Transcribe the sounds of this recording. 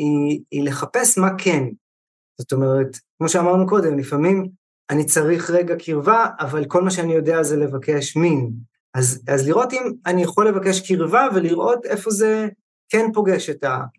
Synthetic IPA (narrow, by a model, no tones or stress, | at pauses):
iːle̞χape̞smakʰe̞n | z̥o̞to̞me̞ʁ̞etkmo̞ʃeamaʁnuko̞de̞mlifamim | anit͡saʁiχʁe̞ɡakʰiʁvaːvalko̞lmaʃeanijo̞deazele̞vake̞ʃmin | azazliʁo̞timanijaχo̞lːevake̞ʃkiʁvave̞liʁʔo̞te̞fo̞ze̞ | kenpo̞ɡe̞ʃeta